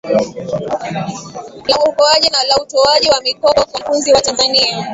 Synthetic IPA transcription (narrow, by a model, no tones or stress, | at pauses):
lauukɔaʄinalautɔaʄiwamikɔɔkafunziwatanzania